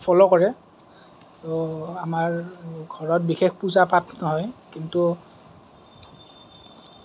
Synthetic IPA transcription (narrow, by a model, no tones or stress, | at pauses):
pʰɔlɔkɔɹɛ | tɔamaɹɡʱɔɹɔt̚bixexpuzapatnɔɦɔjkintu